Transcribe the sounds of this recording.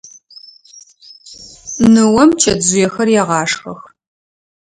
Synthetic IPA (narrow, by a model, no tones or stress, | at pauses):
nɨwɐmt͡ʃʰɐdzʊjɛxɐrjɛːʁɑːʂxɐx